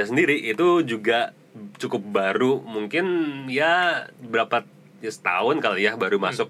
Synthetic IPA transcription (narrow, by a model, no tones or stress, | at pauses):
as̬əndiɾiʔit̪ud͡ʒuɡa | t͡ʃukʊp̚baɾumuŋkɪnjabəɾapa | jasə̥t̪a̰ʊnkalojahbaɾuma̰sʊk̚